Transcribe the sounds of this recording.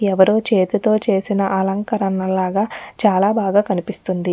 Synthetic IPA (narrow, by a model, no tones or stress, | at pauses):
ɛʋɐɾoːt͡ʃe̞ːt̪it̪o̞ːt͡ʃe̞ːsinɐʔɐlɐŋkɐɾɐnːɐlaːɡaːt͡ʃaːlaːbaːɡaːkɐnipist̪und̪i